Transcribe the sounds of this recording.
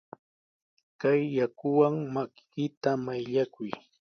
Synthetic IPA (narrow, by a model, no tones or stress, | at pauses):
kajːakʊwaŋmakkɪt̪amajʎakʊj